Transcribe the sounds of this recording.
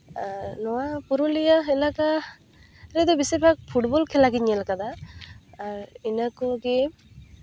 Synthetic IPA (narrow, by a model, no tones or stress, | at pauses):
nɔapuɾulijaelaka | ɾed̪obisebak̚pʰuʈbolkʰelaɡiɲelakad̪a | inəkuɡe